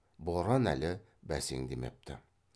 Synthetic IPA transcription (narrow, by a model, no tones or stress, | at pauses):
boɾɑnæ̰lʲɘ | bæsiŋd̪imḛp̚t̪ʰɘ̰